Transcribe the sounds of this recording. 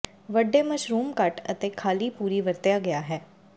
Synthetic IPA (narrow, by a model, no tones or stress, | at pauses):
ʋəɖːeːməʃɾuːmkəʈət̪eːkʰaːliːpuːɾiːʋəɾt̪ɪjaːɡɪjaːɦɛː